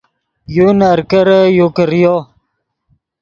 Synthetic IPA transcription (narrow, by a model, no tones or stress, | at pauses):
junəɾkəɾəjokəɾjo